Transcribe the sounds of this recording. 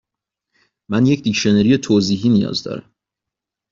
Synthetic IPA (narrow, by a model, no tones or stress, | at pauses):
mænjecʰd̪icʃoneɾije̞t̪ʰoːziːɦiːnijɒ̰ːzd̪ɒ̰ːɾæ̰m